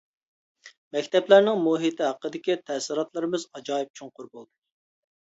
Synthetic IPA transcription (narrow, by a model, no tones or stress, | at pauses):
mɛkʲt̪ɛplæɾnɪŋmuɦit̪ʰɪɦɑqːəd̪ɪkʲit̪ʰɛsɪɾɑt̪lˠɨɾɨmɨzɑd͡ʒɑːjip̚t͡ʃʰuŋqʊɾbolˠd̪u